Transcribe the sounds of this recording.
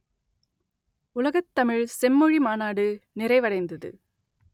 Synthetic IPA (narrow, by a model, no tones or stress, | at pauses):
ʊlɐɣɐt̪ːɐmɪɻsɛmːɯɻimaːnaːɽɯnɪrɐɪʋɐɽɐɪnd̪ɐðɯ̰